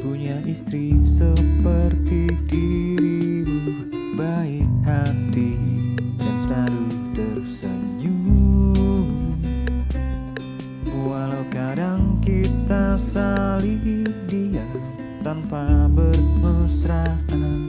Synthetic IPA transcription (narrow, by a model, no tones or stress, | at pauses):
puɲaʔist̪ɾisəpərt̪idi | bu | baik̚hat̪i | dansaɾut̪ərsəɲu | walawkadaŋkit̪asalidia | t̪anpabərməsɾahan